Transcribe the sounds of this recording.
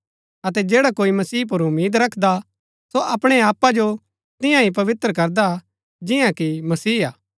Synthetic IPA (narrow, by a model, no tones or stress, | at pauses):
ɐt̪ɛd͡ʒeːɽakoːimɐsiːp̬ʊɾʊmiːd̪ɾɐkʰd̪a | soʔɐpɽ̃eaːpːad͡ʒo | t̪ɪ̃jãɦip̬ɐʋɪt̪ɾək̬ɐɾd̪a | d͡ʒɪjãkimɐsiːaː